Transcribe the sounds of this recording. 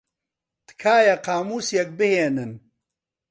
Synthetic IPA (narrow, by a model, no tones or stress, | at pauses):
t̪ɨ̥kʰaːjɐqaːmuːsjek̚bɨheːnɨn